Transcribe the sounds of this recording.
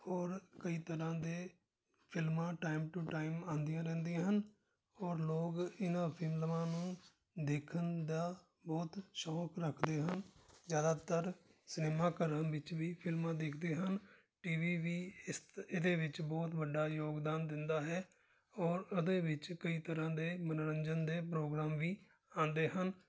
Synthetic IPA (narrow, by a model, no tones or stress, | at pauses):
ɔːɾkəiːt̪əɾãːd̪eː | pʰɪlmãːʈaːɪmʈuʈaːɪmãːnd̪ijãːɾɛ̃ːnd̪ĩjãːɦən | ɔːɾloːɡɪnãːpʰɪmləʋãːnũː | d̪eːkʰənd̪aː | bɔːt̪ʃɔːkɾəkʰd̪eːɦənzjaːd̪aːt̪əɾsɪneːmaːkəɾənʋɪt͡ʃʋiːpʰɪlmãːd̪eːkʰd̪eːɦən | ʈiːʋiːʋiːɪsɪd̪eːʋɪt͡ʃbɔːt̪ʋəɖːaːjoːɡd̪aːnd̪ɪnd̪aːɦɛː | ɔːɾʊd̪eːʋɪt͡ʃkəiːt̪əɾãːd̪eːmənɾəɲd͡ʒənd̪eːpɾoːɡɾaːmʋiː | ãːnd̪eːɦən